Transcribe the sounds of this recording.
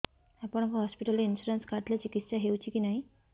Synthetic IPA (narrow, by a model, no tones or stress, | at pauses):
apəɳ̃akaɦɔspiʈəliinɕuɾenskʰat̪ljat͡ɕikit̪ːɕaɦewt͡ɕiːkiːnaɦi